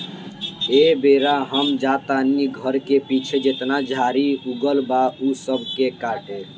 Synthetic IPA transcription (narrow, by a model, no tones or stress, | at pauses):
ebeːɾaɦəmd͡ʒaːt̪aːniɡʱəɾkepit͡ʃʰed͡ʒet̪nad͡ʒʱaːɾiuɡəlbausəbʱkekaːʈe